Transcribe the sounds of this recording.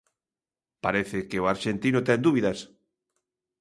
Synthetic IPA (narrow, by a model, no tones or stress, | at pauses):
paɾeθɪkeoaɾʃent̪inʊt̪ɛnd̪uβiðas